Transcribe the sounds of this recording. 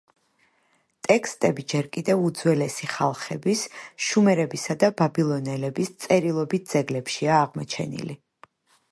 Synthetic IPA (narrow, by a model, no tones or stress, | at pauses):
t̪ʼɛkʰst̪ʼɛbid͡ʒɛɾkʼid̪ɛvud̪zwɛlɛsiχalˠχɛbisʃumɛɾɛbisad̪ababilˠɔnɛlɛbist̪sʼɛɾilˠɔbit̪̚ʰd̪z̥ɛɡlɛpʃiaːʁmɔt͡ʃʰɛ̰nḭli